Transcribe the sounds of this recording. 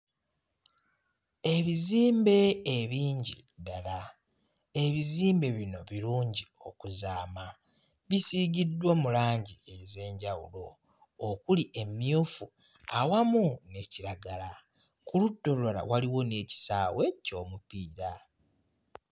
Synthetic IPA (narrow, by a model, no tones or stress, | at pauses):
e̞βiziːmbe̞ːβiːɲɟḭdala | e̞βiziːmbe̞βino̞βiɾuːɲɟio̞kuzaːma | βisiɟidwomulaːɲɟie̞ze̞ːɲɟawṵlo̞ː | kuliʔe̞mːjoːfu | awamune̞ciɾaɡala | kulutːo̞luala̰waliwo̞ne̞ːci̥saːwe̞co̞ːmupiːɾa